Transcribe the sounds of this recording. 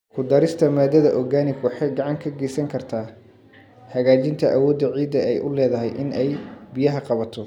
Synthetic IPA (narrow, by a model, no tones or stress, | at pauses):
kʰʊd̪ɐɾɪst̪ʰɐmaːd̪ɐðɐʔɔɡaːnɪɡwɑħɑjɡɑʕɑŋkʰɐɡɛsɐŋkʰɐrt̪ʰaː | hɐɣaːt͡ʃɪnt̪ʰɐʔɐwɔːd̪ːɐʕiːd̪ɐɛjʔʊlɛːðɐɦɛjʔɪnɛjbɪjɐɦɐqɑβɐt̪ʰɔ